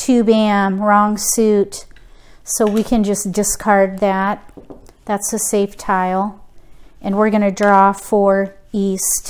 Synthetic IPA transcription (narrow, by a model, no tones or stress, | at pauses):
tʰʉbiɛ̃mɹɔ̃ŋsʉt | soʊwikʰɨ̃nd͡ʒʌsd̥ɨskʰɑɹd̪̚ðæt̪̚ðætsɨseɪftʰaɪl̩ˠ | ʔɨ̃nwɪɹɡʌnɨdɹɔfə˞ist